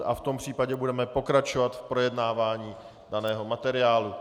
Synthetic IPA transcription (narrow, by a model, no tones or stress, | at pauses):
ʔa̰ft̪o̞mpr̝̥iːpaɟɛbudɛmɛpo̞kɾat͡ʃovat̪fpɾo̞jɛdnaːvaːɲiː | danɛːɦo̞mat̪ɛɾɪaːlu